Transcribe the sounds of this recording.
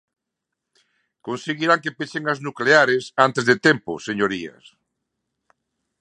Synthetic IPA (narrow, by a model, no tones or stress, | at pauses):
konseɣiɾaŋkepeseŋaznukleaɾesant̪ezðet̪ɛmpo̰seɲoɾiɐ̰s